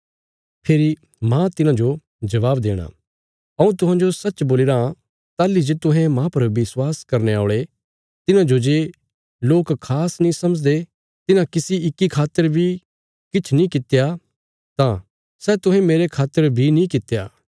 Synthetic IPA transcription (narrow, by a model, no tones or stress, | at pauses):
pʰeːɾi | mãt̪ɪnãd͡ʒo | d͡ʒɐʋaːbd̪eːɽ̃a̰ | ɐũt̪ʊɦãːd͡ʒosɐtːt͡ʃboːlɪɾã | t̪aːlːid͡ʒeːt̪ʊ̃ɦɛ̃mãːpɐɾʋɪswaːskɐɾneaːɭe | t̪ɪnãd͡ʒod͡ʒeː | loːkkʰːaːsnĩsɐməd͡ʒd̪e | t̪ɪnãkɪsiɪkːikʰaːt̪ːəɾbʱi | kɪt͡ʃʰnĩkɪt̪eja | t̪ã | sɛːt̪ʊɦɛ̃meːɾekʰaːt̪ːəɾbʱinĩkɪt̪ːjaː